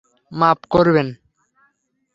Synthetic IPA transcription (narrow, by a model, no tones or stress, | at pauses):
mapkoɾben